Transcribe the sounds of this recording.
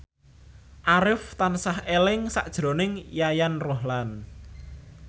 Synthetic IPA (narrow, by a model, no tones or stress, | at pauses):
ʔaɾɪft̪ansahelɪŋsa̰ʔd̥ʒ̥ɾo̤nɪŋjajanroɦlan